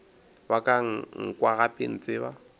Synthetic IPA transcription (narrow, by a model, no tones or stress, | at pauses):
bakʼaŋ̩ŋ̩kwaɣapʼɪn̩t͡sʼɪβa